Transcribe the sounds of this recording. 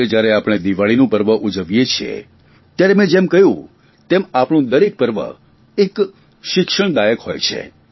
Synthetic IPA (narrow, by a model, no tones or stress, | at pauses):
ed͡ʒjaɾeapɽ̃ed̪iʋaɭinũpəɾʋəʔud͡ʒəʋjet͡ʃʰiḛ | t̪jaɾemẽd͡ʒemkəjũ | t̪emapɳ̃ũd̪əɾek̚pəɾʋə̰ | ek | ʃɪkʃəɳ̃d̪ajəkhojt͡ʃʰḛ